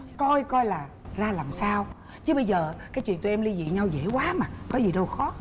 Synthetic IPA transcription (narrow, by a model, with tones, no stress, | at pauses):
kɔ˧jkɔ˧jlaː˨˩ | zaː˧laː˨˩msaː˧w | t͡ɕɨ˨˦ɓə˧jzəː˨˩kaː˨˦t͡ɕw̰i˧˨nt̪u˧jʔɛ˧mli˧zḭ˧˨ɲa˧wzḛ˧˥kwaː˨˦maː˨˩kɔ˨˦zi˨˩ɗə˧wxɔ˨˦